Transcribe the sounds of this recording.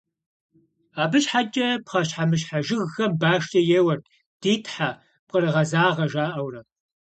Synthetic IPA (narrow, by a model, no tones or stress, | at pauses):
aːbɨɕħad͡ʒʼɐpχɐɕħamɨɕħaʒɪɣxɐmbaːʂtʼɐjeːwɐrt̚ʰ | d̥iːtʰħa | p̚qəɾɨʁɐzaːʁɐʒaːʔɐwrɐ